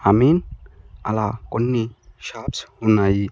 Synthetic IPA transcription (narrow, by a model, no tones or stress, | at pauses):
amina̰lakonːiʃapshunaji